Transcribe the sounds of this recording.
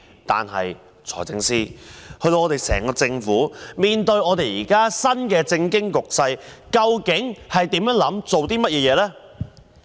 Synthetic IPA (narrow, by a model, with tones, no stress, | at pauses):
t̪a̰ː˨nɦɐ̰˨j | t͡sʰɔ̰ː˨˩jt͡sɪ˧ŋsiː˥hɵ˧t̪o˧ɔː˨˧t̪e˨jsɛ̰ː˨˩ŋkɔː˧t͡sɪ˧ŋfuː˨˥miː˨nt̪ɵ˧ɥɔː˨˧t̪e˨jjiː˨˩kaː˥sɐ˥nkɛː˧t͡sɪ˧ŋkɪ˥ŋkʊ˨k̚sɐ˧jkɐ˧wkɪ˨˥ŋhɐ˨jt̪i˨˥mjœː˨˥ŋlɐ˨˥mt͡so˨wt̪iː˥mɐ˥t̚jɛː˧jɛː˨˧lɛː˥